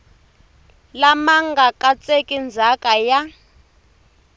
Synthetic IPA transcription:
lamaŋɡakʼat͡sekʼind͡zʱakaja

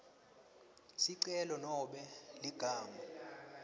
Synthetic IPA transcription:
siǀɛlɔnɔɓɛliɡ̥ʱaːma

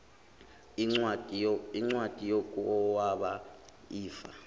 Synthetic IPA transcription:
i | iŋ͡ǀwad̥ʱʼijokʼɔwaɓa | iːfa̰

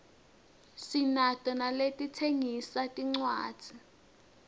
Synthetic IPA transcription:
sinatʼɔnaletʼitʰeŋisatʼiŋ͡ǀwa̰ːd̥z̥ʱi

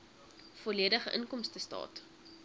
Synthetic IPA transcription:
fɔliədəχəʔənkɔmstəstɑ̰ːt

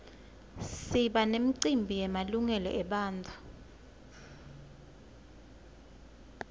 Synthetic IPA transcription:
siɓanem̩ǀimbʱijɛmaluŋɛlɔ̰ʔɛɓaːndʰʱʼa

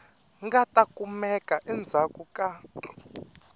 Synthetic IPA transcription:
ŋɡatʼakʼumɛkʼaʔɛnd͡zʱakʼukʼa

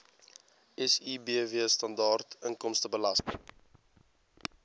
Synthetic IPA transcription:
ɛsibiəviəstɐndɑːrtəŋkɔmstəbəlɐstəŋ

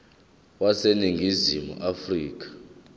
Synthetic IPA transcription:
waseniŋɡʱizimṵʔafriːk̬ḁ

